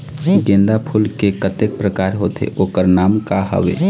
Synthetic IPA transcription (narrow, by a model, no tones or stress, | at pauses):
ɡẽnd̪apʰulkekət̪ek̚pɾəkaːɾɦoːt̪ḛʔoːkəɾnaːmkaɦə̰ʋḛː